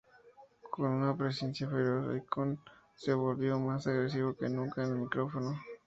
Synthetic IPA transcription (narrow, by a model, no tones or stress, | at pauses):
ko̞nunapɾesensjafeɾoso̰jkon | seβo̞lβjo̞masaɣɾes̬iβo̞kenũŋkaenelmikɾo̞fo̞no